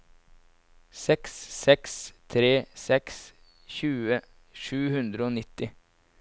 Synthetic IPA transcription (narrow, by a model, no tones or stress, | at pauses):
sɛkssɛkst̪ʰɾeːsɛks | çʉːə | ʃʉːhʉnd̪ɾəoːnɪt̪ɪ